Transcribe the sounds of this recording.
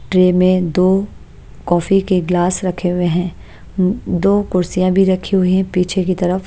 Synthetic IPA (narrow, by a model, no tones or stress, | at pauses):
ʈɾeːmẽd̪oː | kɔːfikeɡlaːsɾɐkʰeɦʊeɦɛ̃ː | d̪oːkʊɾsijãbʱiɾɐkʰiɦʊiɦɛ̃piːt͡ʃʰekit̪ɐɾəf